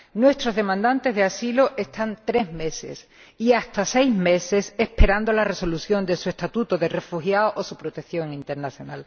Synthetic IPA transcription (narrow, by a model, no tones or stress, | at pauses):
nwe̞st̪ɾo̞zðe̞mãnd̪ant̪e̞zɦðeasiloʔest̪ant̪ɾe̞ɦme̞se̞̰s | iast̪ase̞jzme̞se̞se̞hpe̞ɾand̪o̞lare̞so̞luθjo̞nd̪e̞sue̞st̪at̪ut̪oðe̞re̞fuxjaoʔosupɾot̪e̞kθjo̞ŋĩnt̪e̞ɾnaθjo̞nal